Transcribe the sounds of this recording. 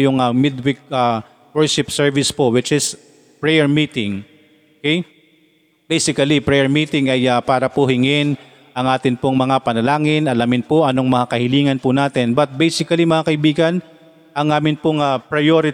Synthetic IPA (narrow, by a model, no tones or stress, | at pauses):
jʊŋɐmɪd̪wɪk̚ɐ | wɛɹʃɪpsɛɹvɪspoʔwɪt͡ʃɪs | pɹɛjɛɹmiːt̪ɪŋ | okɛj | bejsɪkɐlipɹɛjɛɹmiːt̪ɪŋɐjapaːɾɐpʊhɪŋɪn | ʔɐŋʔaːt̪ɪnpoŋmɐŋapɐnɐlaːŋɪnɐlamɪnpoʔɐnoŋmɐŋakɐhɪliːŋɐnpʊnaːt̪ɪnbɐt̪̚bɛjsɪkɐlimɐŋakɐʔɪbiːɡɐn | ʔɐŋʔaːmɪnpʊŋapɹɐjoɾɪ